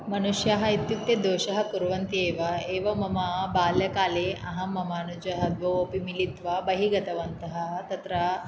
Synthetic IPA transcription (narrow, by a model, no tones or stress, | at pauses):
mɐnuʃjɐɦɐ̆it̪jup̚t̪jɐd̪oːʃɐɦɐkuɾʋɐnt̪ieːʋɐeːʋɐmɐmabaːljɐkaːleɐɦɐmɐmaːnud͡ʒɐɦɐd̪ʋɐoːpimilit̪ʋɐbɐɦiɡɐt̪ɐʋɐnt̪ɐɦɐt̪ɐt̪ɾɐ